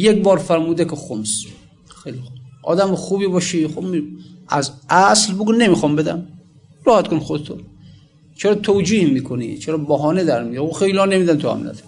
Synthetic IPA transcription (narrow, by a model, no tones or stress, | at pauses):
jek̚bɒːɾfæɾmuːd̪ekʲexoms | xejlixubʔɒ̰ːd̪æmxuːbiːbɒʃixobmiʔæzæslboɡunemiːxɒmbed̪æ̰m | ɾɒːhæt̪kʰonxod̪et̪ʰo | t͡ʃʰeɾɒːt̪ʰowd͡ʒiːhmiːkʰonḭt͡ʃʰeɾɒːbɔɦɒːned̪æɾmijɾoxejliɒːnemiːd̪ænt̪ʰuæ̰mlæ̰t̪